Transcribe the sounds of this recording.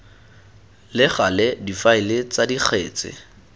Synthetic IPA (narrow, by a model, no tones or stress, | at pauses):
lɪχalɪdifaɪlɪt͡sadik͡xʰeːt͡sɪ̰